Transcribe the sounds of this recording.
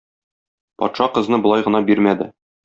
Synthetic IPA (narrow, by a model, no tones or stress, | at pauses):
pɒ̰t̪ʃɑqɤ̆znɤbŏlˠɑjʁɤ̆nɑbiɾmæd̪ɘ̰